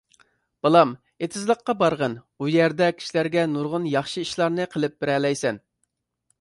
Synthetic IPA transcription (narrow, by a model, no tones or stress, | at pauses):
b̥ɑlˠɑm | et̪ʰɪzlˠəqːɑbɑɾʁən | ujɛɾd̪ɛkʲʰi̥ʃilæɾɡʲɛnuɾʁʊnjɑχʃiiʃlˠɑɾnɨqʰəlˠɪp̚bɪɾɛlɛjsɛn